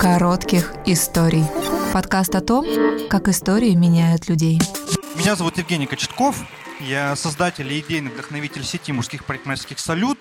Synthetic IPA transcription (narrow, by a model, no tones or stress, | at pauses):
kɐɾo̞t̪kʲɪxɪst̪o̞ɾʲɪjpɐt̪kast̪ɐt̪o̞mkakɪst̪o̞ɾʲɪɪmʲɪnʲæjʊt̪lʲʉdʲejmʲɪnʲazɐvut̪jɪvɡʲenʲɪjkət͡ɕɪ̥t̪kof | jasɐzd̪atʲɪlʲɪdʲejnɨvd̪əxnɐvʲitʲɪlʲsʲɪtʲimʊʂskʲixpəɾʲɪt̪maskʲɪxsɐlʲut̪̚